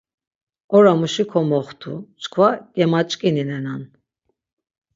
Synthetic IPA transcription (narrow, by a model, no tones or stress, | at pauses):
ɔɾamuʃikʰɔmɔχt̪ʰṵt͡ʃʼkʰvaɡ̥ʼɛmat͡ʃʼkʼininɛnan